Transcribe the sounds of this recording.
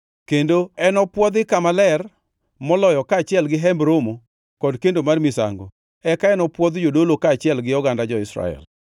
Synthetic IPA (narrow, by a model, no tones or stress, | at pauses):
kendoɛnɔpwɔd̪ɪkamalɛr | mɔlɔjɔkaːt͡ʃɪɛlɡɪɦɛmbɾomo | kɔdkendomarmɪsa̰ŋɡɔ | ɛkaɛnɔpwɔd̪d͡ʒodolokaːt͡ʃɪɛlɡɪɔɡandad͡ʒɔɪsɾa̰ɛ̰l